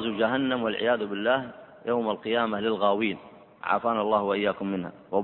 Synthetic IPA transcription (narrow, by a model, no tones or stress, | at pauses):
zud͡ʒaɦanːamwɪlʕɪ̰jaːðʊbɪlːaːh | jʔawmalqɨjaːmalɪlɣaːwiːn | ʕa̰faːnalˤːɑːhwaʔɪjːaːkʊmːɪnha̰wa